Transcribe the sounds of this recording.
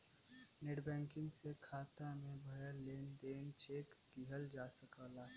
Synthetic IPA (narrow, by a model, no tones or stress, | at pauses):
neːɽbɛ̃ːŋkɪ̃ŋɡsekʰaːt̪amẽbʱəjəɾleːnd̪eːnt͡ʃeːk | ɡiɦəld͡ʒaːsəkəːlaː